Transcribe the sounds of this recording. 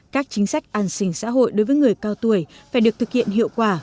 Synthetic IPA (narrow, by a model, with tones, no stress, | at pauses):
kaː˦˥k̚t͡ɕi˨˦ŋ̟sa˦˥jk̚ʔaː˨˧˩nsï˧˩ŋ̟sa̰ː˧˥ɦo̰˧˨jɗo˨˦jvəː˨˦jŋɨ˨˩əjkaː˧wt̪u˧˩əjfaː˧˩jɗɨ˨˩ək̚t̪ɨ˨˩k̚hḭ˧ənɦḭ˧˨əwkwaː˧˩